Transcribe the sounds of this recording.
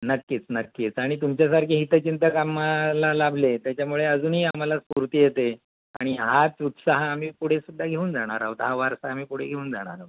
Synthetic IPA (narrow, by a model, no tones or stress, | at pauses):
nəkːiːt͡snəkːit͡saɽ̃it̪umt͡ɕjasaɾkʰeɦit̪ət͡ɕint̪əkamalalabʱlet̪jat͡ɕamuɭeəd͡zuːnɦiːam̤alaspuɾt̪iːjet̪e | a̰ɽ̃iɦat͡sut̪saɦəam̤iːpuɽ̤esud̪ʱːaɡʱeuːnd͡zaɽ̃aɾaɦot̪ɦaʋaɾsaam̤iːpuɽ̤eɡʱeuːnd͡zaɽ̃a̰ɾaut̪